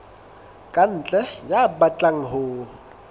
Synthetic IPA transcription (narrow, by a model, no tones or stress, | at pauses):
kʼan̩ːt͡ɬʼɛjabat͡ɬʼaŋ̩ɦʊː